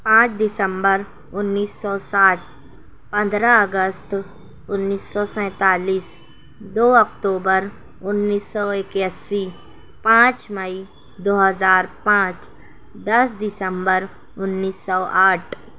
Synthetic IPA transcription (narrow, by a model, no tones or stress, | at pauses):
pãːt͡ʃd̪ɪsə̃mbəɾ | ʊnːiːsɔːsaːʈ̚ʰ | pə̃nd̪ɾaəɡəst̪ | ʊnːiːsːɔsɛ̃ːt̪aːliːs | d̪oːɔkʈ̪oːbəɾ | ʊnːiːsːɔɪkjasi | pãːt͡ʃməi | d̪oːɦəzaːɾpãːt͡ʃ | d̪ɐsd̪ɪsəmbəɾ | ʊnːiːsːɔːʔaːʈʰ